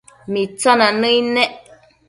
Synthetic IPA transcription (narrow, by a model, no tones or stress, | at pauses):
mit͡sɔnanəinɛʔ